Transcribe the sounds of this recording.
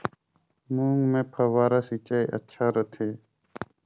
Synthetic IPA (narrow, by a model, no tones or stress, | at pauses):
mũːŋɡmẽːpʰəʋaːɾasiːt͡ʃaːiʔə̰tːʃʰaːɾət̪ʰeː